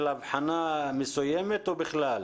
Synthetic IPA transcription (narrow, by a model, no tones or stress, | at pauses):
lavħanamesujemet̪ubɪxlal